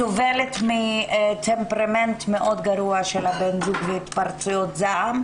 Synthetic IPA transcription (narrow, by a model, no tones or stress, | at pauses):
ovelet̪mit̪empɾament̪meʔo̞d̪ɡaɾuaʃelabenzuɡveit̪paɾt͡sujot̪zaʔam